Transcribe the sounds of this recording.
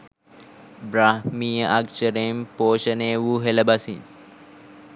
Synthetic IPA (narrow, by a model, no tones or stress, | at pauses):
bɾahmijəʔakʃəɾempoːʃəneːʋuɦeləbasin